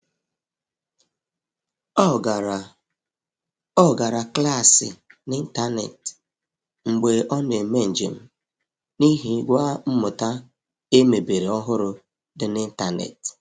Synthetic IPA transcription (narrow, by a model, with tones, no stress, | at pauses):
ɡ | ɔ˦˨ɡa˨ɾa˨kla˦˨sɪ̰˨nɪ˦n̩˦ta˦nḛ˨t | ŋ͡m̩˨ɡ͡be˨ʔɔ˦ne˨me˦n̩˨d͡ʒḛ˨m̩˦ | ni˦ɦi˦ɡʷa˦m̩˦mʊ˨ta˦ | e˦me˨be˨ɾe˨ɔ˦ɦʊ˦ɾʊ˨ | dɪ˨nɪ˦n̩˦ta˦nḛ˨t